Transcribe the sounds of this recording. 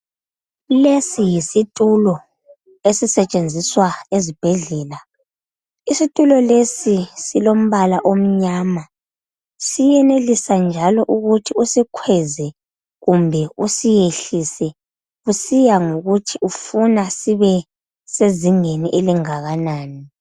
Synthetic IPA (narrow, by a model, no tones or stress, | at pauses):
lesijisitʼulɔ | esisɛt͡ʃʼend͡zʱiswaezib̥ʱɛɮɛːla | isitʼulɔlesisilom̩βalaʔom̩ɲaːma | sijɛnelisand͡ʒʱalɔʔuɣutʰiusikʰwɛzɛ | ɣumbʱɛusijeɬisɛ | ɣusijaŋoɣutʰiufunasiβɛ | seziŋeniʔeliŋaɣanaːni